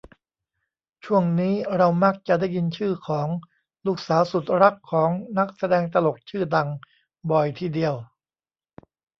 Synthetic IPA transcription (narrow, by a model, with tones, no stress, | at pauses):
t͡ɕʰu˥˩əŋniː˦˥ɾa˧wma˦˥˩k̚t͡ɕa˨˩da˥˩jːi˧nt͡ɕʰɯː˥˩kʰɔː˩˦ŋ | luː˥˩k̚saː˩˦wsu˨˩t̪̚ɾa˦˥kʰːɔː˩˦ŋna˦˥k̚sa˧dɛː˧ŋt̪a˧lo˨˩k̚t͡ɕʰɯː˥˩da˧ŋ | bɔː˨˩jt̪ʰiː˥˩di˧əw